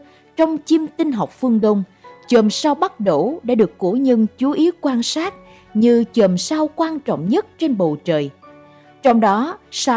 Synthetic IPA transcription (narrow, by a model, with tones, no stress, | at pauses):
t͡ɕɔ˧wŋ͡mt͡ɕi˧mt̪i˧n̟ɦa˨˩wk͡p̚fɨ˧əŋɗə˧wŋ͡mt͡ɕə˨˩msaː˧wɓa˦˥t̚ɗo˧˩ɗa̰ː˧˥ɗɨ˨˩əkːu˧˩ɲə˧nt͡ɕu˨˦ʔi˨˦wkwaː˧nsaː˦˥t̚ | ɲɨ˧t͡ɕəː˨˩msaː˧wkwaː˧nt͡ɕɔ̰˧˨wŋ͡mɲə˦˥t̚t͡ɕe˧nɓo̰˧˨t͡ɕə̰ː˨˩j | t͡ɕɔ˧wŋ͡mɗɔ˨˦sa˧